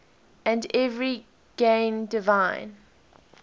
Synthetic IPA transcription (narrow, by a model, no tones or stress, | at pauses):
ə̃ndɛvɹi | ɡ̥ẽɪ̃ndɪvãɪ̃n